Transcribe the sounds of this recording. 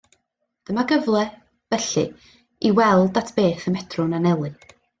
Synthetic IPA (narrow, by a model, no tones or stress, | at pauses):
d̥əmaɡəvlˠɛ | b̥ɛɬɨ̰ | iwɛlˠdatʰb̥eːθəmɛtʰrʊnanɛlˠɨ